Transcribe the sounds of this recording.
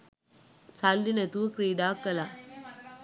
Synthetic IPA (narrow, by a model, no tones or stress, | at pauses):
salːinet̪uʋəkɾiːɖaːkːəla